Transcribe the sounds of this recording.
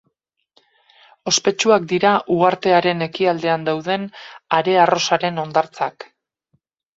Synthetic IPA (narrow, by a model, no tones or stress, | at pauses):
o̞spe̞t͡ʃuak̚d̪iɾaʔuɣaɾt̪e̞aɾe̞ne̞kiald̪e̞and̪awðe̞naɾe̞aro̞saɾe̞no̞nd̪aɾt͡sak